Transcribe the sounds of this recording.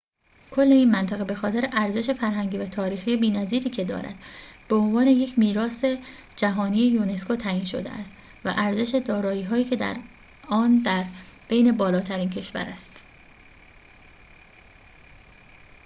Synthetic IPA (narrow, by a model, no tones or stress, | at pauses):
kʰo̞lːe̞iːnmænt̪ʰæɣebe̞xɒːt̪e̞ɾeʔæɾze̞ʃe̞fæɾɦæŋɟiːvæt̪ʰɒːɾiːxijebiːnæziːɾiːcʰe̞d̪ɒ̰ːɾæ̰d̪̥b̥eo̞nvɒːne̞je̞cʰmiːɾɒːse̞ | d͡ʒæɦɒːniːjejune̞skʰot̪ʰæiːnʃo̞̰d̪ḛæ̰st̪ | væ̰ʔæɾze̞ʃe̞d̪ɒːɾɒːiːɦɒːjiːcʰe̞d̪æ̰ɾ | ɒːnd̪æɾb̥e̞jne̞bɒːlɒːt̪ʰæɾiːncʰe̞ʃvæ̰ɾæst̪